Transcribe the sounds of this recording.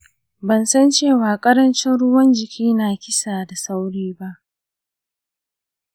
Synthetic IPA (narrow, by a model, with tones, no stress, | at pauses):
bɐ˨nsɐ˦nt͡ʃeː˦˨waː˨kʼɐ˦ɾɐ˦nt͡ʃɛ˦nɽʊ˦wɐ˦nd͡ʒɪ˨kʲʰiː˦naː˨kʲɪ˦saː˨da˨sa˦wɽiː˦ba˦ʔ